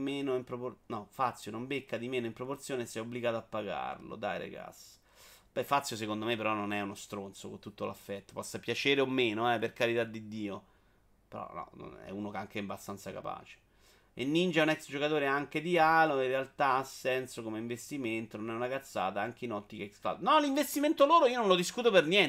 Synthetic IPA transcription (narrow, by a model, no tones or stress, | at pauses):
meːnoimpɾoponɔfat̪sːjonombekːad̪imeːnoimpɾoport̪sjoːnesɛobliɡaːt̪oapːaɡa̰rlo̰d̪ajɾḛɡa̰sː | bɛfat̪sːjos̬ekond̪omepeɾɔnːonɛunost̪ɾont̪sokont̪ut̪ːola̰fːɛt̪ːo̥pɔsːapjat͡ʃeːɾeomːeːnoɛperkaɾit̪ad̪ːid̪iːo | peɾɔ̰nɔ̰no̰nɛ̰uːnokeaŋk̟eɛbːast̪ant̪saka̰pa̰ːt͡ʃe̥ | ḛnːind͡ʒɛunɛksd͡ʒokat̪oːɾeaŋk̟ed̪ialoĩrːealt̪aasːɛnsokomeiɱvest̪iment̪ononɛunakat̪sːa̰ːt̪aaŋk̟einɔt̪ːikekskla̰d̪nɔliɱvest̪iment̪oloːɾoiːononlod̪iskuːt̪̬opernjɛn